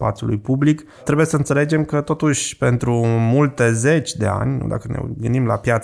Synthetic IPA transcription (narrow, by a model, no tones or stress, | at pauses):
spa̰t̪sjulṵjpublik | t̪ɾe̞buje̞səɨnt̪se̞le̞d͡ʒe̞mkət̪o̞t̪uʃʲpe̞nt̪ɾumult̪e̞ze̞t͡ʃʲd̪e̞a̰nʲnṵd̪a̰kənḛɡɨnimla̰pjat̪s